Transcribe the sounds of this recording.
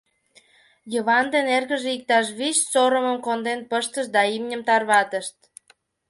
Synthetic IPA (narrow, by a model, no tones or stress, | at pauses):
jəβɑnd̪enerɣəʒeik̚t̪ɑʃ̬βiɕsoɾəməmkond̪enpəʃt̪əʃd̪ɑimnʲəmt̪ɑrβɑt̪əʃt̪